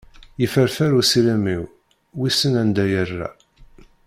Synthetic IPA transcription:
jəfəɾfæɾusilæmiw | wisənænd̪æjərːæ̰

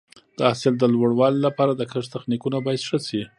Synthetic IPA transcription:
d̪̥əasɪld̪əlwaɽwɑlilapɑɾad̪əkəʐt̪axnikunabɑjad̪ʂəsi

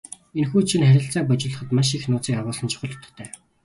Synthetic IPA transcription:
enxuːt͡ɕʰinχæɾʲɪ̆ɬt͡saːp̬ɔt͡ɕɪ̆ːɮə̆χə̆t̪maʃ̬ixnʊːt͡siːkaʁʊːsə̆nt͡ɕʰʊ̥χə̆ɮ̥ʰt̪ɞ̥̆t̪ʰːæː

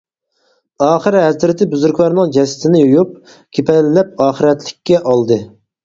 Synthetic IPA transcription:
ɑːχɨɾɦɛzɾɪt̪ʰɪbyzyɾkʲlɑɾnɨŋd͡ʒɛsɪ̥t̪ʰɪnɪjojup̚ | kʲʰepɛlːɛp̚ɑːχəɾɛt̪lɪkʲːɛʔɑlˠd̪ɨ

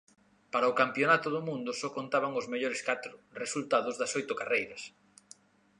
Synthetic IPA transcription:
paɾɐʊkampjonat̪ʊðʊmũnd̪ʊsɔkont̪aβaŋʊzmeʎoɾɪskat̪ɾʊresult̪aðʊzðɐsojt̪ʊkarejɾɐs

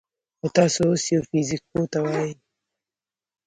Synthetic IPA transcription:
xot̪ɑːsosjofizik̚kot̪awaji

